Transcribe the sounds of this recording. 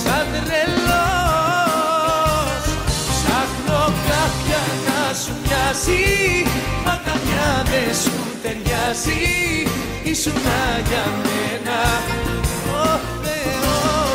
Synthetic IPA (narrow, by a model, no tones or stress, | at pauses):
sand̪ɾelo | saknokafjakasuɲasi | makaɲaðesu | t̪eɾjasi | isunajamena | o | ðeo